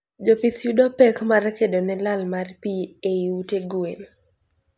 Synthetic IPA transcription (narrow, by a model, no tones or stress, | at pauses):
d͡ʒopiθjudopɛkmarkedonɛlalmarpieiuteɡuen